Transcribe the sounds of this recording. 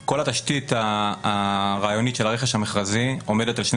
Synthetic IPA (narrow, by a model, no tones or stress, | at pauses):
ko̞lat̪aʃt̪itaː | ʁaːjonitʃelaʁeχeʃhameχʁazio̞me̞detalʃn